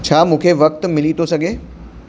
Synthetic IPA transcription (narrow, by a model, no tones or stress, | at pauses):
t͡ɕʰaːmũːkʰeʋɐk̚t̪mɪlit̪ʰosɐɡʱeː